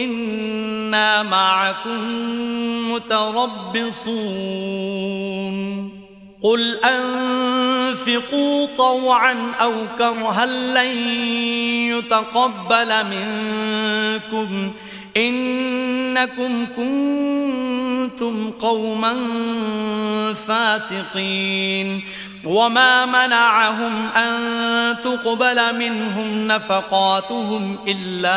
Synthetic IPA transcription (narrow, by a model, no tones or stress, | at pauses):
ʔɪnː | aːmaʕakʊmː | ʊt̪aɾˤɑbːɪsˤuː | n | qʊlʔan | fɪquːt̪ˤɑwʕanʔawkɑɾˤɦalːaj | jʊt̪aqɑbːalmɪn | kʊm | ʔɪnː | akʊmkʊn | t̪ʊmqɑwman | faːsɪqiːn | wamaːmanaʕaɦʊmʔant̪ʊqbalamɪnɦʊmnafɑqɑːt̪ʊɦʊmʔɪlːaː